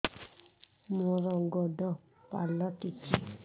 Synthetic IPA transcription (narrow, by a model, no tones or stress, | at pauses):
mɔ̃ɾɔɡɔdɔ | palɔtit͡ʃi